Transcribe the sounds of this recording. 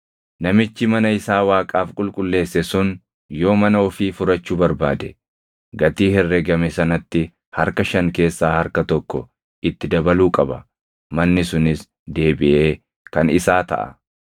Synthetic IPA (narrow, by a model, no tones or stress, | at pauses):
nɐmɪt͡ʃːɪmɐnɐɪsaːwaːkʼaːfkʼʊlkʼʊlːe̞ːsːɛsʊn | jo̞ːmɐnɐɔfiːfʊɾɐt͡ʃːuːbɐɾbaːd̪ɛ | ɡɐt̪iːhɛrːɛɡɐmɛsɐnɐt̪ːɪ | hɐɾkɐʃɐŋke̞ːsːaːhɐɾkɐt̪ɔkːɔ | ʔɪt̪ːɪd̪ɐbɐluːkʼɐbɐ | mɐnːɪsʊnɪs | d̪e̞ːbɪʔeː | kɐnɪsaːt̪ɐ̰ʔɐ̰